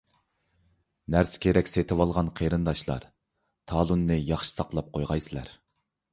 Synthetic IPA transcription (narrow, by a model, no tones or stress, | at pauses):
næɾsɪ̥kʲʰeɾɛkʲset̪ʰɪwɑlˠʁɑnqʰeɾɨnd̪ɑʃlˠɑ̰ɾ | t̪ʰɑːlˠunːɨjɑχʃi̥sɑqlˠɑp̚qʰojʁɑjsɨlˠæ̰ɾ